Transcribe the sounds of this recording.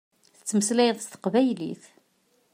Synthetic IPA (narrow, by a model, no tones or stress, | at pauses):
θə̥t͡sːməslæjəntst̪ə̥qvæjlḭθ